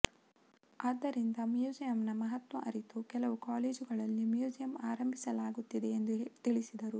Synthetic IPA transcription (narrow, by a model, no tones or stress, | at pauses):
aːd̪ːɐɾind̪ɐmjuːd͡ʒijɐmnɐmɐɦɐt̪ʋɐʔɐ̰ɾit̪ukɛlɐʋukaːleːd͡ʒuɡɐɭɐlːimjuːd͡ʒijɐmaːɾɐmbʱisɐlaːɡut̪ːid̪e̞ːnd̪ut̪iɭisid̪ɐɾu